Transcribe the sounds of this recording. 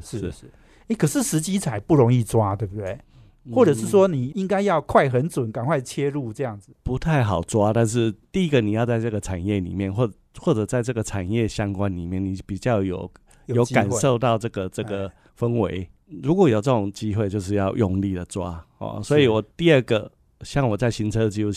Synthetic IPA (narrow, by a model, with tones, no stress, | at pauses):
ʂɻ̩˥˩˥ | e˥˩ɪkʰə˨˩ʂɻ̩˥˩ʂɻ̩˧˦˥t͡ɕi˥t͡sʰa˨˩ɪpu˥˩o˧˥ŋi˥˩t͡swa˦t̪we˥˧bd̪e˥˩ɪ | xwɔ˥˩ʈ͡ʂɤ˨˩ʂɻ̩˥˩swɔ˦˥ni˨˩i˦˥ŋka˥ɪjɑ˥˧ʊkʰwa˥˩ɪxə˧˦nt͡swʊ˨˩˦nka˨˩nkʰwa˥˩ɪt͡ɕʰjɛ˥ɻu˥˧ʈ͡ʂɤ˥˧jɑ˥˩ŋd͡z̩˨˩pu˧˥t̪ʰa˥˩ɪxɑ˨˩ʊt͡swa˦t̪a˥˧nʂ̬ɻ̩˥˩t̪i˥˩i˦˥ɡə˨ni˨˩jɑ˥˧ʊt͡sa˥˧ɪʈ͡ʂɤ˥˩ɡə˩ʈ͡ʂʰa˨˩njɛ˥˩lḭ˨˩mjɛ˥˨nxwɔ˥˩ | xwɔ˥˩ʈ͡ʂɤ˨˩t͡sa˥˧ɪʈ͡ʂɤ˥˩ɡə˩ʈ͡ʂʰa˨˩njɛ˥˨ɕjɑ˦˥ŋkwa˦nli˨˩mjɛ˥˩ni˨˩pi˨˩t͡ɕjɑ˥˩ʊjo˨˩ʊ | jjo˨˦ʊka˨˩nʂo˥˧ʊt̪ɑ˥˧ʊʈ͡ʂɤ˥˩ɡə˩ʈ͡ʂɤ˥˩ɡə˩˧ | fə˦ŋwe˧˦ɪ | ɻu˧˥kwɔ˨˦jo˨˩ʊt͡sə˥˩ʈ͡ʂʊ˨˩ŋt͡ɕi˦˥xwe˥˧ɪt͡ɕjo˥˧ʊʂ̬ɻ̩˥˧jɑ˥˧ʊjʊ˥˧ŋli˥˨d̪ə˩t͡swa̰˦hɔ̰˨˩swɔ˧˥i˨wɔ˨˩t̪i˥˧ə˥˩ɡə˩ | ɕjɑ˥˩ŋwɔ˨˩t͡sa˥˩ɪɕi˧˥nt͡sʰɤ˦˨t͡ɕi˥u˥˧˩